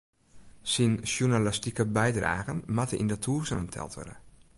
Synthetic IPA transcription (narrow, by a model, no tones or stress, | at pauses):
sinsjunalastikəbɛjdra̰ːɣənmatəḭndətʰuːsənəntʰɛ̰lˠtʋø̰də